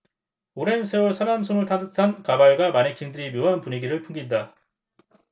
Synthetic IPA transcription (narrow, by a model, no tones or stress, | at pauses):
oɾe̞nsʰeuɭsʰaɾamsʰonɯɭtʰandɯtʰankabaɭɡwamanekʰiŋdɯɾimjoɦanpuɲiɡiɾɯɭpʰuŋɡinda